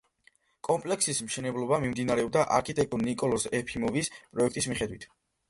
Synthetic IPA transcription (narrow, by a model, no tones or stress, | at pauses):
kʼɔmpʼlɛksismʃɛnɛblˠɔbamimd̪inaɾɛɔb̚d̪aʔaɾkʰit̪ʼɛk̚t̪ʼɔnnːikʼɔlˠɔsɛpʰimɔvispʼɾɔɛkʰt̪ʼismiχɛd̪wit̪ʰ